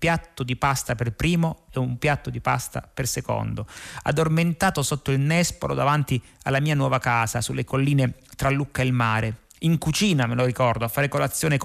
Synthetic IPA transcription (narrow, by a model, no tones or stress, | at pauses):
pjat̪ːod̪ipast̪aperpɾiːmoɛumpjat̪ːod̪ipa̰st̪a̰perseko̰nd̪oa̰d̪ːorment̪aːt̪osot̪ːoilnɛspo̰lo̰d̪avant̪ia̰lːamiːanwɔːvakaːzasulːekolːiːnet̪ɾalːukːaelmaːɾe | iŋkut͡ʃiːnameloɾikɔrd̪oafːaːɾekolat̪sːjoːne